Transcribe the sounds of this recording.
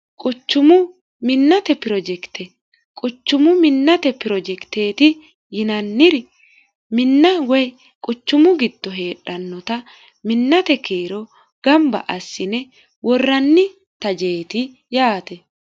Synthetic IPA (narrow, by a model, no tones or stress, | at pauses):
kʼʊt͡ʃːʊmʊ | mɪnːɐt̪ɛpɪɾɔd͡ʒɛkt̪ʰɛ | kʼʊt͡ʃːʊmʊmɪnːɐt̪ɛpɪɾɔd͡ʒɛkt̪eːt̪ɪ | jɪnɐnːɪɾ | mɪnːɐwɛj | kʼʊt͡ʃːʊmʊɡɪd̪̥ːɔɦe̞ːᶑːɐnːɔt̪ɐ | mɪnːɐt̪ɛkeːɾɔ | ɡ̥ɐmbɐ̰ʔɐsːɪnɛ | wɔrːɐnːɪ | t̪ɐd͡ʒe̞ːt̪ɪ | jaːt̪ɛ